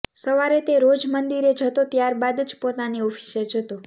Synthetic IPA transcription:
səʋaɾet̪eɾod͡ʒmənd̪iɾed͡ʒʱət̪ot̪jaɾbad̪d͡ʒpot̪aniɔfʰi̥sed͡ʒʱət̪o

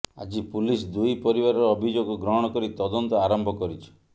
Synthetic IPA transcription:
a̰d͡ʒipulisd̪ujpɔɾibaɾɔɾɔɔbʱid͡ʒoɡɔɡɾɔɦɔɽ̃ɔkɔɾit̪ɔd̪ɔnt̪ɔaɾɔmbʱɔkɔɾit͡ʃʰɔ̥

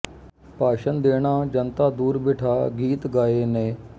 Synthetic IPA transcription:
paːʃənd̪eːɽ̃aːd͡ʒənt̪aːd̪uːɾbɪːʈʰaːɡiːt̪ɡaːeːneː

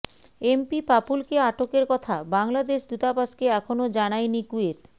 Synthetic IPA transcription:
empipapulkeaʈokeɾkɔt̪ʰabaŋlad̪eʃd̪ut̪apaʃkeɛkʰonod͡ʑanajnikuet̪

